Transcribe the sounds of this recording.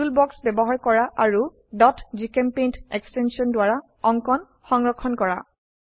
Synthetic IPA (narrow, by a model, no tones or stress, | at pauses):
ulbɔksbɛbɔɦaɹkɔɹaʔaɹu | dɔtzikempejntɛkstɛnsiɔndwaɹa | ɔŋkɔn | xɔŋɹɔkʰːɔnkɔɹa̰